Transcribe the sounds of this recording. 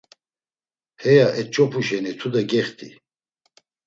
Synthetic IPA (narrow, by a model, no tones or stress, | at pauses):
hɛjaʔɛt͡ʃʼɔpʰuʃɛnit̪ʰud̪aɡɛχt̪ʰʼḭ